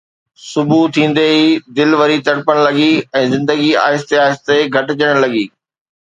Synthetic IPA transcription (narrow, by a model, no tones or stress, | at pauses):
sʊbʱut̪ʰĩːn̆d̪eid̪ɪlʋɐɾit̪ɐɽpəɽ̃lɐɡiɛ̃ːzɪ̃nd̪əɡia̰ːɪst̪eaːɪst̪eɡʱɐʈɪd͡ʑəɽ̃lɐɡiː